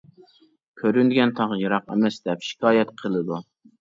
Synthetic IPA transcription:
kʲʰøɾynd̪ɪɡʲɛnt̪ʰɑʁjɨɾɑqḛmɛsd̪ɛpʃi̥kʰɑːjɛt̪qʰəlˠɨd̪u

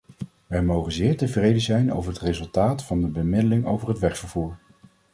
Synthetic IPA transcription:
ʋɛjmowχənzɪːɹtəvrejdəzɛjno̰wvəɹɦətrezɵlˠtaːtfɑndəbəmɪdəlɪŋo̰wvəɹɦətʋɛɹχfəɹv̥uːɹ

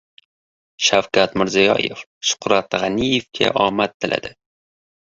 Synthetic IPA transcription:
ʃafkat̪mɪɾzijɒ̰jḛfʃʊ̥qɾat̪ʁɑnijefkʲʰa̰ʔɒmat̪ʰːɪlʔa̰d̪ɪ

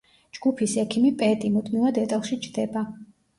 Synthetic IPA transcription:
d͡ʒɡ̥upʰisɛkʰimipʼɛt̪ʼimud̪mivad̪ɛt̪ʼɛlˠʃit͡ʃʰd̪̥ɛba

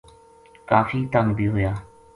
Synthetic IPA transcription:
kaːfʰiːt̪əŋɡbʱiːɦʊjaː

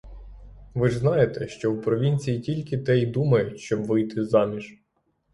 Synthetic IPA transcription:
ʋɪʐznɑjet̪ɛʃt͡ʃɔwpɾɔʋʲinʲt͡sʲijitʲilʲkɪt̪ɛjd̪umɐjɛʃt͡ʃɔbʋɪjt̪ɪzɑmʲiʒ

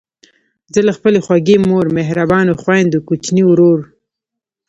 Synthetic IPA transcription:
zəlaxpəlexwaɡemoɾmeɦɾabɑnoxwajnd̪əkut͡ʃniɾoɾ

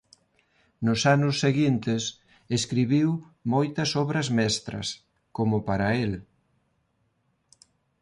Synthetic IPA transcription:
nʊsanʊsːeɣint̪ɪs | eskɾiβiw | mojt̪ɐsɔβɾɐzmɛst̪ɾɐ̰s | komʊpaɾɐel

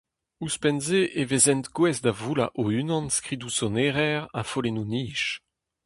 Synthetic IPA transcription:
uspɛnzeʔevezɛnt̪ɡwɛzd̪avula̰ʔoynɑ̃nskʁidusɔneʁɛʁa̰folenuniːʃ

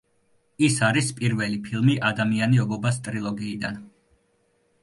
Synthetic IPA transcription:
isaɾispʼiɾvɛlipʰilˠmiʔad̪amianiɔbɔbast̪ʼɾilˠɔɡiːd̪a̰n

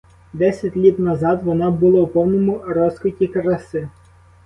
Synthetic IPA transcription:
d̪ɛsʲɐtʲlʲit̪nɐzɑd̪ʋɔnɑbʊlˠɑupɔwnɔmʊɾɔskɪtʲikɾɐsɪ

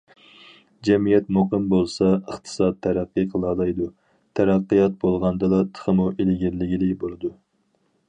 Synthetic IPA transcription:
d͡ʒɛmijɛt̪moqəmbolˠsɑəχt̪ʰɨ̥sɑt̪ʰːæɾæqːɨqʰəlˠɑːlˠɑjd̪u | t̪ʰæɾæqːijɑt̪̚bolˠʁɑnd̪ɨlˠɑt̪ʰə̥χəmuʔelɪɡʲɪɾlɪɡʲilɪbolˠɨd̪u

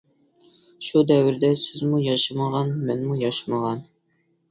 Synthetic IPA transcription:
ʃud̪ɛwɪɾd̪ɛsɪzmujɑʃɨməʁɑnmɛnmujɑʃməʁɑn

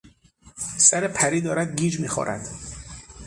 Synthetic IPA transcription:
sæɾepʰæɾiːd̪ɒːɾæd̪̚ɡiːd͡ʒmiːxɒ̰ːɾæ̰d̪̥

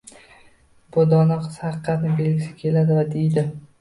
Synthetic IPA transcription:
b̥ʊd̪ɒnɒqɨz̥hɑɨqʰːɑt̪nɪbʲelɡʲɪsɪ̥kʲʰe̞lad̪ɪvad̪ejd̪ɪ

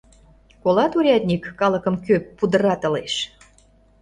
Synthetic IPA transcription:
kolɑt̪uɾʲɑt̪ʲnʲikːɑlə̆kəmkøpːud̪ə̆ɾɑt̪ə̆leʃ

